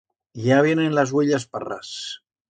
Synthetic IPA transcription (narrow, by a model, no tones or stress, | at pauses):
jaβjenenlazweʎaspara̰s